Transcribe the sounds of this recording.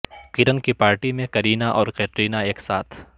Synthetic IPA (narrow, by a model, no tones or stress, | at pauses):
kiɾənkipaːɾʈimẽkɐɾiːnaʔɔːɾqɛːʈɾiːnaeːksaːt̪ʰ